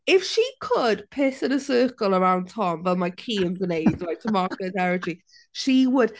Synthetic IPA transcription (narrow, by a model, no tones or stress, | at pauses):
ɪfʃikʰəd̥pʰɪtɪ̃nəsɜːˑkəlˠəɹãw̃ntʰɔmvɛlˠmajkʰiːə̃nzəneɪdlaɪtʰəmɔɹkətɛɹəd͡ʒɹi | ʃiwəd̥